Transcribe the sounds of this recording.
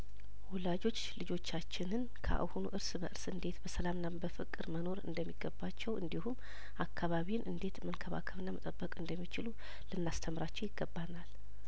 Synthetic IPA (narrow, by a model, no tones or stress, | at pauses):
wʊlad͡ʒo̞t͡ʃː | lɨd͡ʒo̞t͡ʃːat͡ʃːɪnɨn | kʰə̰ʔa̰honṵʔɨɾsbə̰ʔɨɾsɨnd̪e̞t̪bəsəlamnːabəfɨkʼɨɾməno̞ɾɨ̰nd̪əmːiɡːəbːat͡ʃːɛwɨ̰nd̪ihum | ʔakʰːaβaβiwnʔɨnd̪e̞t̪mənkʰəβa̰kʰəβɨnːamət̪ʼəbːəkʼɨnd̪əmːit͡ʃɪlu | lɨnːast̪ʰəmɾat͡ʃːɛwjɪɡːəbːanal